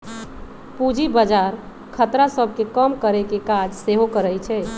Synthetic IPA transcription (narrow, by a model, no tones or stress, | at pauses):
pud͡ʒibəd͡ʒaɾ | kʰət̪ɾasəb̚ʱkekəmkəɾekekad͡ʒseɦokəɾəjt͡ʃʰɛ